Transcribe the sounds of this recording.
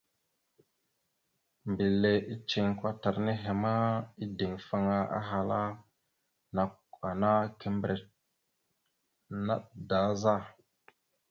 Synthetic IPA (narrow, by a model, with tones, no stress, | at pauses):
mbi˨lːe˨ʔi˦t͡ʃi˨ŋkʷwa˦ta˨ɾne˦ɦe˨ma˦i˦di˨ŋfa˦ŋa˦a̰˦ɦa˨la˦ | na˨ka˨na˦ke˦mbɾe˨ | na˦tda˨˦za˦˨